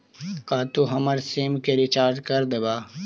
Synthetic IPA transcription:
kaːt̪uɦɐməɾseːmkeɾit͡ʃaːɾʈkɐɾd̪ebaː

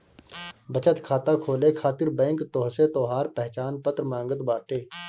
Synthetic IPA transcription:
bət͡ʃət̪kʰaːt̪akʰoːlekʰaːt̪ɪɾbɛ̃ːŋkt̪oːɦset̪ɔːɦaːɾpɛɦt͡ʃaːnpət̪ɾmãːŋɡət̪baːʈeː

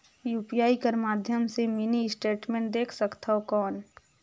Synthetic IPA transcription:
juːpijaːikəɾmaːd̪ʱjəmseminisʈeːʈmẽːɳʈ̚d̪eːkʰsəkt̪aɦokɔːn

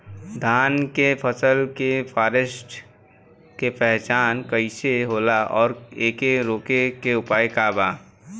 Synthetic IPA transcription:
d̪ʱaːnkepʰəsəlkepʰaːɾesʈ | kepɛɦt͡ʃaːnkəɪseɦoːlaɔːɾeːkeɾoːkekeʊpaːekaːbaː

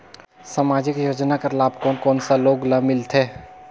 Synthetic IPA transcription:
saːmaːd͡ʒɪkjoːd͡ʒnakəɾlaːbkɔːnkɔːnsaloːɡlamɪlt̪ʰeː

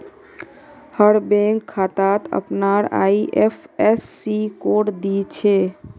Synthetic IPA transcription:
həɽbẽŋkʰːat̪at̪ə̰pnaɾa̰iʔepʰesːikoɽd̪it͡ʃʰe

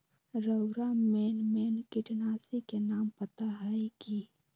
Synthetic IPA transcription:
ɾəwɾameːnmeːnkɪʈnaːsikenaːmpɐt̪aɦajki

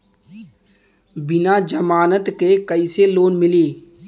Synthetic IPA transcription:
bɪnad͡ʒəmaːnət̪kekəɪseloːnmɪliː

